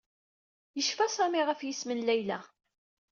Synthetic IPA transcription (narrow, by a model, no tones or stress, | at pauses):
jəʃfæsɑmiʁəfjismənlæjlæ